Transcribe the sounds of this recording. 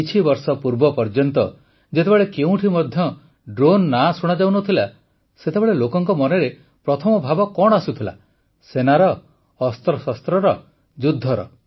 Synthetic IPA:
it͡ʃʰibɔɾsɔpuɾbɔpɔɾd͡ʒɔnt̪ɔ | d͡ʒet̪ebeɭekeũʈʰimɔd̪ʱjɔ | ɖɾonːasuɽ̃ad͡ʒawnɔt̪ʰila | set̪ebeɭelokɔŋkɔmɔneɾe | pɾɔt̪ʰɔmɔbʱabɔkɔɽ̃asut̪ʰila̰ | senaɾɔː | st̪ɾɔsast̪ɾɔɾɔ | d͡ʒud̪ʱːɔɾɔ̰

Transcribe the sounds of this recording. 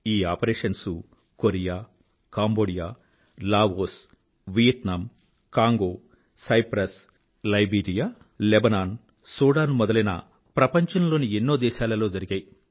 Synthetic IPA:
iːaːpɐɾeːʂɐnsu | koɾijaː | kaːmboːɽijaː | laːʋoːs | ʋijɐt̪nam | kaːŋɡoː | sɐjpɾɐs | lɐjbiːɾijaː | lebɐnaːn | sɔːɽaːnmɔd̪ɐlɐnɐ̰ | pɾɐpɐɲt͡ʃɐnlo̞ːnienːo̞ːd̪ɛːʃaːlɐlo̞ːd͡ʒɐɾiɡɐːj

